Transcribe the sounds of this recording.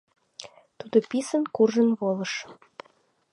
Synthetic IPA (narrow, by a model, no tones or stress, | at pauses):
t̪ud̪opisənkurʒənβoləʃ